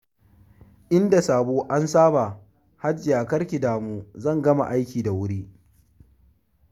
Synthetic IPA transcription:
ʔɪ˦nda˨saː˨boː˦ʔa˦nsaː˦ba˨ | ha˦d͡ʒɪ˨jaː˨kɐ˦ɽkʲɪ˨daː˨muː˦zɐ˦˨ŋɡɐ˦ma̰˨ʔa˦jkʲiː˨da˨wʊ˦ɽiː˦

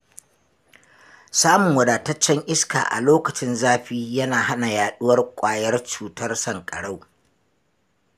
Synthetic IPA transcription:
saː˦mʊ˨ŋwɐ˨daː˨tɐ˦t͡ʃːɛ˦ŋʔɪ˦ska̰ː˨ʔa̰˨loː˦kɐ˨t͡ʃɪ˦nzaː˦ɸiː˦jɐ˦naː˨ha˦na˨jaː˨ɗʊ˦wɐ˦rkʷʼaː˨jɐ˦rt͡ʃuː˨tɐ˦rsɐ˨ŋkʼɐ˨ɽa˦˨w

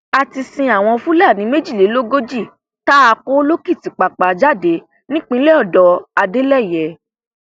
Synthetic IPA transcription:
a˧ti˧sĩ˧a˨w̃ɔ̃˧fũ˦la˦˨nĩ˨˦me˦d͡ʒi˦˨e˨˦lo˦ɡo˦d͡ʒi˦˨ | ta˦a˧ko˦lo˦ki˦˨ti˨˦k͡pa˨k͡pa˨˦d͡ʒa˦de˨˦ | nĩ˦k͡pĩ˦lɛ˦ɔ˦˨dɔ˨a˧de˦lɛ˦˨jɛ˨˦

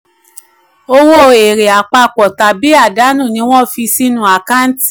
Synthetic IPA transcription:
o˧wo˦˨e˨ɾe˨a˨k͡pa˧k͡pɔ˨ta˨bi˨˦a˦˨da˨˦nũ˦˨nĩ˧˦w̃ɔ̃˦fi˧si˦nũ˦a˨ka˦n̩˦ti˦

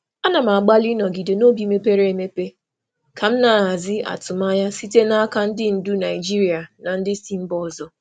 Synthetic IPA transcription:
a˦na˨ma˨ɡ͡ba˦li˦nɔ˨ɡi˨de˨no˦bi˨˦me˦pe˦ɾe˨˦˨me˦pe˦ | kʰa˨m̩˦na˨a˨zɪ˦a̰˨tʊ˨ma˦ja˦si˦te˦na˦ka˦n̩˦dɪ˦n̩˨du˦na˨ɪ˨d͡ʒi˦ɾi˨a˨na˨n̩˦dɪ˦si˦m̩˦bɔ˦˨zɔ˨

